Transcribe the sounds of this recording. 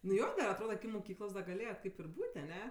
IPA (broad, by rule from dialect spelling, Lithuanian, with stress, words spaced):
nʊ ˈjoː dɐr ɐtˈroːdɐ mʊˈkʲiːklˠoːs dɐ ɡɐˈlʲeːjɛt ˈkɐɪp ɪr ˈbuːtʲ ɐˈnʲɛ